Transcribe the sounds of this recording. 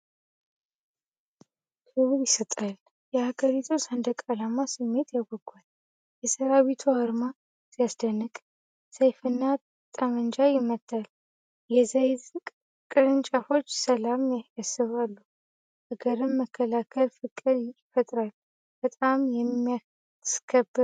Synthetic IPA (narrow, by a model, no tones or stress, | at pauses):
kʰɨwuljɪsət̪ʼal | jɛhaɡəɾit̪ʰusand̪əkʼalamasɨmːe̞t̪ʰjaɡʷɔɡʷal | jɛsəɾaβit̪ʰuhəɾma | zijasd̪ənːɨkʼ | səjfɨnːa | t̪ʼamənd͡ʒajɪmːət̪ʰʼːal | jɛzajzɨkʼ | kʼɨɾɨnt͡ʃʼafo̞t͡ʃːsəlamjjasɨβalːu | həɡəɾɨmːəkʰːəlakʰəlfɨkʼɨdɪfət̪ʼɾalː | b̥ət̪ʼamjɛmija | skʰəbːɨ